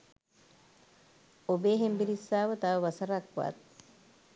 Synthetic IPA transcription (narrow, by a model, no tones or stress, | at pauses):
obeːɦembiɾisːaːʋɐt̪aʋɐʋɐsɐɾakːua̰ːt̪